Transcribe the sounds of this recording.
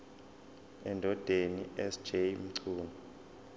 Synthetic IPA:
ɛndʱɔd̥ʱeniɛsd͡ʒ̥ʱejm̩ǀʰuːnɔ

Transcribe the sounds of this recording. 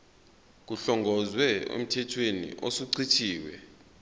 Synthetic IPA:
k̬uɬɔŋɡʱɔzwɛḛm̩tʰɛtʰwenḭʔosuǀʰitʰiːwɛ̰

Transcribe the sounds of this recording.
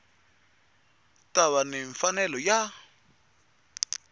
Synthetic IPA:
taβaniɱfanɛlɔja

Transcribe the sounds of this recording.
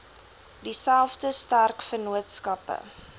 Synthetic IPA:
disælˠfdəstærkfənuətskɐpə̰

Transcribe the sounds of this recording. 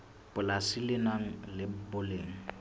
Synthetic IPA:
pʼʊlasilɪnaŋ̩lɪbʊleːŋ̩

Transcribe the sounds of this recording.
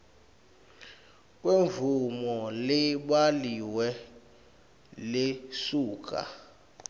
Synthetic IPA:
kʼweɱvumɔlɛɓaliwɛ | lesuːkʼa̰

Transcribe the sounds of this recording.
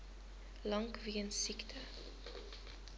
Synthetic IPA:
lɐŋkviənsiktʰə

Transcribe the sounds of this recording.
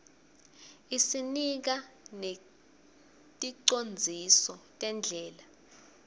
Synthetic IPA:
isinik̬ane | tʼiǀond͡zʱisɔtʼɛnd͡ɮʱɛːla

